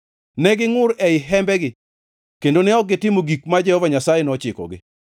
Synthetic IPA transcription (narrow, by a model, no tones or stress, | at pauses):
nɛɡɪŋʊɾɛɪɦɛmbɛɡɪ | kendonɛɔɡɪtɪmoɡikmad͡ʒɛhɔvaɲasajɛnɔt͡ʃɪkɔ̰ɡɪ̰